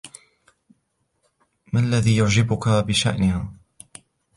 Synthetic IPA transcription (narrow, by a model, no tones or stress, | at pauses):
maalːaðiːjʊʕd͡ʒɪbʊkabɪʃa̰ʔnɪhaː